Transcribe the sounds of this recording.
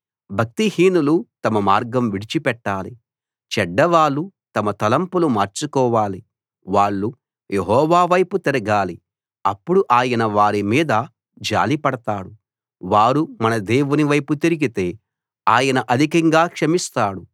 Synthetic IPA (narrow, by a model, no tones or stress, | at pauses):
bʱɐk̚t̪ihiːnulut̪ɐmɐmaːɾɡɐmʋiɽit͡ʃipɛʈːaːlḭ | t͡ʃɛɖːɐʋaːɭːut̪ɐmɐt̪ɐlɐmpulumaːɾt͡ʃukɔːʋaːli | ʋaːɭːu | jʔeɦɔːʋaːʋɐjput̪iɾɐɡaːli | ɐpːuɽuʔaːjɐnɐʋaːɾimiːd̪ɐ | d͡ʒa̰ːlipɐɽɐt̪aːɽu | ʋaːɾumɐnɐd̪eːʋuniʋɐjput̪iɾiɡit̪e̞ː | aːjɐnɐʔɐd̪ʱikɐŋɡaːkʂɐmist̪aːɽu